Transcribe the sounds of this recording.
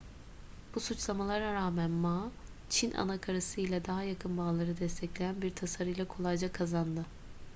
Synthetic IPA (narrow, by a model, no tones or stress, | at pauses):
b̥usut͡ʃlˠamalˠaɾaɾaːmænma | t͡ʃʰinʔa̰nakʰaɾasɯjlʲɛd̪aɦajakʰɯnbaːlˠaɾɯd̪ɛst̪ʰɛclʲejænbiɾt̪ʰasaɾɯjlˠakʰo̞lˠajd͡ʒakʰazand̪ɯ